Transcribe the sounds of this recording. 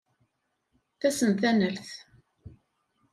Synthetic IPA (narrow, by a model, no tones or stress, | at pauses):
θæsənθænəlθ